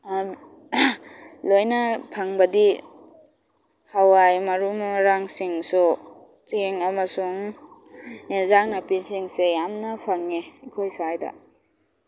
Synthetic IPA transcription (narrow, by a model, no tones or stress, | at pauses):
lojnapʰaŋbɐdi | hawajmaɾumɾaŋsiŋsu | t͡ʃiŋamɐsuŋ | enzaŋnɐpisiŋsejamnɐpʰaŋːeikʰojsaajda̰